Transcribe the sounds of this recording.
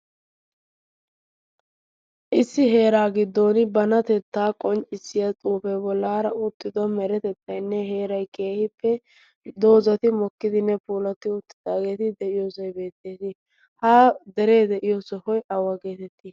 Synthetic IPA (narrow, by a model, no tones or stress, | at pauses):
ʔɪsːɪɦe̞ːɾaːɡɪd̪ːoːnɪbɐnɐt̪ɛt̪ːaːkʼɔnt͡ʃʼɪsːɪjɐt͡sʼuːfɛbɔlːaːɾɐʊt̪ːɪd̪ɔmɛɾɛt̪ɛt̪ːɐjnːɛɦe̞ːɾɐjke̞ːhɪpːɛ | d̪o̞ːzɐt̪ɪmɔkːɪd̪ɪnːɛpuːlɐt̪ɪʊt̪ːɪd̪aːɡe̞ːt̪ɪd̪ɛʔɪjoːsɐjbe̞ːt̪ːe̞ːt̪ɪ | haːd̪ɛɾe̞ːd̪ɛʔɪjosɔhɔjɐwːɐɡe̞ːt̪ɛt̪ːiː